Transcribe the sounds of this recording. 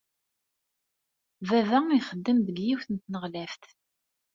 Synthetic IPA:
vævæiχəd̪ːəmðəɡjiwθənt̪nəʁlæft̪

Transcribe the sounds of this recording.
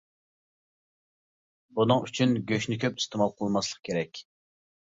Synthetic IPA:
bunɨŋyt͡ʃʰynɡʲøʃnɪkʲʰøpi̥st̪ʰɪmɑlˠqʰəlˠmɑslˠəq̚kʲʰeɾɛkʲ

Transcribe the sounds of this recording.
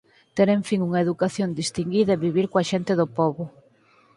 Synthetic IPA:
t̪eɾẽɱfiŋuŋɐeðukaθjond̪ist̪iŋɡiðɐeβiβiɾkoɐʃent̪eðʊpɔβʊ

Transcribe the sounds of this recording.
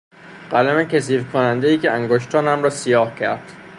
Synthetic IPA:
ɢ̥ælæmecʰes̬iːvkʰonænd̪ejiːcʰeæŋɡoʃt̪ʰɒːnæmɾɒːsijɒːhcʰæɾd̪̥

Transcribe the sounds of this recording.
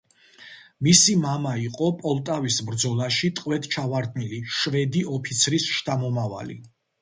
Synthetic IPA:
misimamaiqʼɔpʼɔlˠt̪ʼavisbɾd̪zɔlˠaʃit̪ʼqʼwɛt̪ʰt͡ʃʰavaɾd̪niliʃvɛd̪iɔpʰit̪sʰɾisʃt̪ʰʼamɔmava̰lḭ

